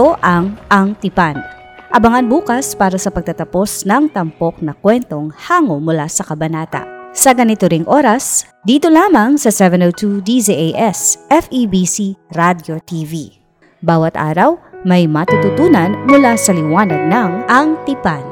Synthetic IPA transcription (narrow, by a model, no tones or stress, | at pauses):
oʔɐŋʔɐŋt̪ɪpan | ʔɐbɐŋanbuːkɐspaːɾɐsɐpɐɡ̚t̪ɐt̪ɐpo̞snɐŋt̪ɐmpo̞k̚nɐkwɛnt̪o̞ŋhaːŋomʊlasɐkɐbɐnaːt̪ɐ̰ʔsɐɡɐnɪt̪oɾɪŋʔo̞ːɾɐs | d̪iːt̪o̞laːmɐŋsɐsɛvɛnowt̪ud̪isiʔejʔɛsʔɛfibisiɹad̪jot̪ivi | baːwɐt̪ʔa̰ːɾɐwmɐjmɐt̪ut̪ʊt̪uːnɐnmʊlasɐlɪwaːnɐɡ̪̚nɐŋʔɐŋt̪ɪpan